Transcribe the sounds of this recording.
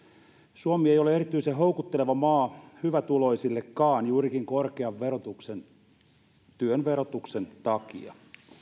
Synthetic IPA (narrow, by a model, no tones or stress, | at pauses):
suomiejoleeɾit̪ːˑyiseɦo̞ukut̪ːeleʋɑmɑːhyʋæt̪ulo̞isilːekːɑːnjuːɾikiŋkorkeɑʋʋerot̪uksen | t̪yønʋeɾot̪ukse̞nt̪ɑkḭɑ̰